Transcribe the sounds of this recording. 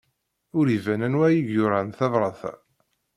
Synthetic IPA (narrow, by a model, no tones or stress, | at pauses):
ʊɾivænænwæjiɡjʊɾanθɑðˤɾˤɑθæ̰